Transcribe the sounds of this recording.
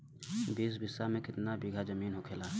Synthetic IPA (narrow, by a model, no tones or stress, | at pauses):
biːs̬bɪsːamẽkɪt̪nabiɡʱad͡ʒəmiːnɦokʰelaː